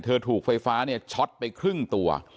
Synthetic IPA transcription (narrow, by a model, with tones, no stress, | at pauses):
t̪ʰɤː˧t̪ʰuː˨˩k̚fa˧jfaː˦˥ni˥˩ɐt͡ɕʰɔ˦˥t̪̚pa˧jkʰɾɯ˥˩ŋt̪u˧ɐ̰